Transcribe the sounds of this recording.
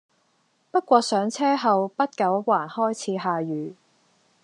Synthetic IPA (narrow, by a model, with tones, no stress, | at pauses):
pɐ˥t̚kʷɔː˧sœː˨˥ŋt͡sʰɛː˥ɦɐ˨wpɐ˥t̚kɐ˨˥wwaː˨˩nhɔː˥jt͡sʰiː˨˧ɦaː˨jyː˨˩